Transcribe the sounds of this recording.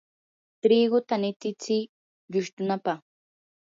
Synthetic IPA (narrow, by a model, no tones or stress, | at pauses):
t̪ɾiɡʊt̪anɪt̪ɪt͡sɪ | ʎʊʃt̪ʊnapaχ